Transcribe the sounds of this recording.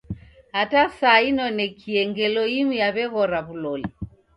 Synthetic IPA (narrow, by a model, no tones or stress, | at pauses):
hatasaːinɔnɛkʰiɛŋɡɛlɔimujaβɛɣɔɾaβulɔlɛ